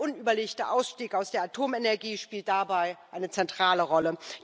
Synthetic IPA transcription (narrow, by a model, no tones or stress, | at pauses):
ʔʊnyːbɐleːçtɐʔaʊsʃtiːkaʊsd̥eːɐatʰoːmɛnɛɐɡiːʃpiːlt̚d̥abaɪʔaɪnət͡sɛntʁ̥aːləʁɔlə